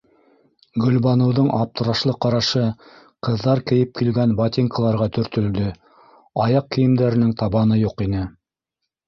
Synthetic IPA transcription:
ɡɵ̆lbɑnɤ̆wðɤɴʔɑp̚t̪ɤ̆ɾɑʃlˠɤqɑɾɑʃɤ | qɤ̆ðːɑɾkɘ̆jɘp̚kilɡænbat̪ʲiŋkɑlˠɑɾʁɑt̪ɵ̆ɾt̪ɵ̆ld̪ɵ | ɑjɑqkɘ̆jɘ̆md̪æɾɘ̆nɘŋt̪ɑβɑnɤjuqinɘ

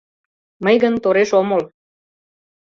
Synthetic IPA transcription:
məjɣənt̪oɾeʃomol

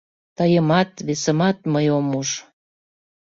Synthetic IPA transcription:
t̪ɑjəmɑt̪βesəmɑt̪məjomuʃ

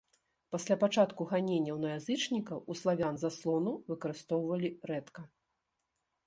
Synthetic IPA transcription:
pasʲlʲapat͡ʂat̪kuɣanʲenʲːɐwnɐjazɨt͡ʂnʲikɐwuslˠavʲanzaslˠɔnuvɨkɐɾɨst̪ɔwvɐlʲiɾɛt̪kɐ

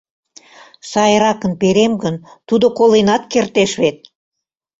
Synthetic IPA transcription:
sɑjɾɑkə̆npeɾemɡə̆nt̪ud̪ŏkolˠenɑt̪̚kert̪eʃβet̪̚

